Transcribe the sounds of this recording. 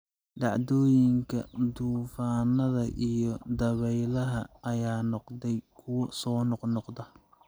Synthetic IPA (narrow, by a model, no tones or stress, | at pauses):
ɖɑʕd̪ɔːjɪŋkʰɐ̰d̪uːfaːnɐðɐʔijɔd̪ɐβɛjlɐɦɐʔɐjaːnɔqd̪ɛjkʰʊwɐsɔːnɔqnɔqd̪ɐ